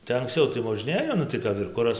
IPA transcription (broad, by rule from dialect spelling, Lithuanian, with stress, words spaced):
tɐɪ ɐŋkˈst͡sɐʊ tɐɪ moːˈʒʲnʲeːjoː nʊ tɐɪ ˈkɐp ɪr ˈkʊrɐs